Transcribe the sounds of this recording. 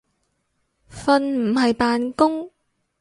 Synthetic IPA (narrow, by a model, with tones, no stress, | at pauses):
fɐ˧nm̩˨˩ɦɐ˨jpaː˨nkʊ˥ŋ